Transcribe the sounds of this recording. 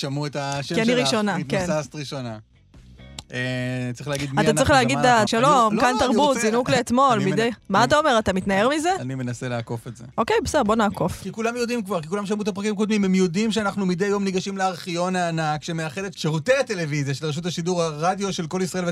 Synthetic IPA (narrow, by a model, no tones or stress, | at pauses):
ʃamuet̪aʃkianiʁiʃo̞nakenast̪ʁiʃona | et͡sʁiχleaɡidmat̪atʁiχleaɡid̪datʃalomkant̪aʁbut̪zinukleːt̪mo̞lmid̪ejmaat̪ao̞me̞ʁat̪amit̪naeʁmizeanimenaseleako̞fetzḛʔo̞ke̞jbesdeʁbo̞naːko̞fkikulamjod̪imkvaʁkikulamʃ̬amuet̪apʁakimkod̪mimemjo̞d̪imʃeanaχnumid̪ejːo̞mniɡaʃimleaʁχijo̞naːnakʃemeaχelet̪ʃeʁut̪eat̪e̞le̞vizjaʃelʁeʃut̪aʃiduʁhaʁad̪jo̞ʃe̞lko̞lisʁaeve